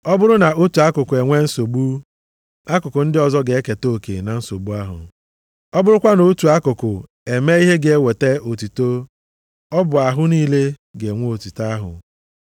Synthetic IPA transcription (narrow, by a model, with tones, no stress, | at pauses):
ɔ˦bʊ˦ɾʊ˦na˨ʔo˦tu˨a˦kʊ˨kʊ˨e˨ŋʷe˦n̩˦so˨ɡ͡bu˦ | a˦kʊ˨kʊ˨n̩˦dɪ˦ɔ˨zɔ˦ɡe˨e˦ke˨to˦˨kḛ˨na˨n̩˦so˨ɡ͡bu˦a˦ɦʊ̰˨ | ɔ˦bʊ˦ɾʊ˦kʷa˦no˨˦tu˨a˦kʊ˨kʊ˨ | e˨me˦i˦ɦe˦ɡe˨e˦we˨te˦o˨tu˨to˦ | ɔ˦bʊ˨a˨ɦʊ˦niː˦le˦ɡe˨ŋʷo˦o˨tu˨ta˦ɦʊ̰˨